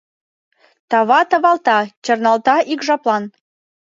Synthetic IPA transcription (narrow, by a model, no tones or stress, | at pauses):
t̪ɑβɑt̪ɤ̆βɑlˠt̪ɑt͡ɕɤ̆rnɑlt̪ɑʔikʒɑplˠɑn